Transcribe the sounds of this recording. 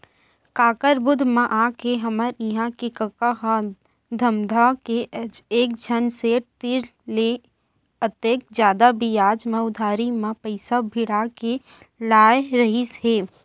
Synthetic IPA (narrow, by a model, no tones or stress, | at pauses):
kaːkəɾbʊd̪ʱmãʔaːkeɦəməɾɪɦãkekəkaɦa | d̪ʱəmd̪ʱakeəd͡ʒeːk̚d͡ʒʱənset̪ɪɾle | ət̪jeːk̚d͡ʒjaːd̪abijaːd͡ʒmə̃ʊd̪ʱaːɾimãpəɪsabʱɪɽake | laːjɾəɦɪsɦeː